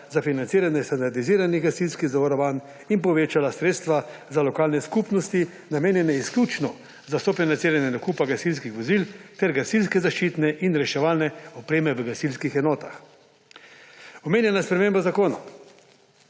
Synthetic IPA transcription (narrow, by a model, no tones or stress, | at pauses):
zafinansiːɾanjɛst̪and̪aɾd̪iziːɾaniɣɡasilskiɣzaʋɔɾɔʋaːn | inpɔʋeːt͡ʃalasɾeːt̪st̪ʋazalɔkaːlnɛskupnɔst̪i | nameːnjɛnɛisklʲuːt͡ʃnɔ | zasɔfinant̪siːɾanjɛd̪ɔkupaɡasils̬kixʋɔzilt̪ɛɾɡasilskɛzaʃt͡ʃiːt̪nɛʔinɾɛʃɛʋaːlnɛɔpɾeːmɛʋəɡasilskixɛnɔːt̪ax | ɔmeːnjɛnaspɾɛmeːmbazakoːna̰